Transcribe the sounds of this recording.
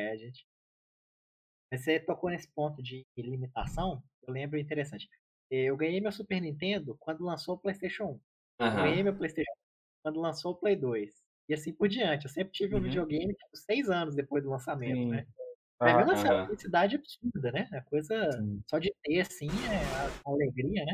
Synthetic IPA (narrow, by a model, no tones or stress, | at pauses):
ɛʒẽt͡ʃɪ̥ | mɐset̪okonesɪ̥põnt̪ʊd͡ʒɪlimit̪a̰sɐ̃w̃ | ewlẽmbɾʊĩt̪̬eɾesɐ̃t͡ʃɪ̥ | ɛewɡɐ̃jejmewsupeɾnĩnt̪ẽnd̪ʊkwɐ̃nd̪ʊlɐ̃sowʊplejst̪ejʃõw̃ũ | kɐ̃ɡɡɐ̃ɐ̃jɲejmewplejst̪ejʃõũ | kwɐ̃nd̪ʊlɐ̃sowʊplejd̪ojs | ɪasĩpʊɾd͡ʒiɐ̃t͡ʃɪewsẽmpɾɪt͡ʃiviũvid͡ʒioɡẽj̃mɪt͡ʃi̥pʊsejzɐ̃nʊz̬d̪epojzd̪ʊlɐ̃samẽnt̪ʊnɛ̃ | ẽmɐ̃aɐflisid̪ad͡ʒɪabisuɾd̪ɐnɛɐkojzɐsɔd͡ʒɪt̪easĩɛaaleɡɾiɐnɛ